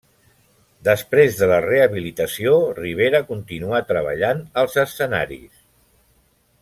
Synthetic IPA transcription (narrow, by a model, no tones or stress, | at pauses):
d̪əspɾezðələreəβilit̪əsioriβ̞eɾəkunt̪inuat̪ɾəβə̰ʎanəlˠzəsəna̰ɾḭs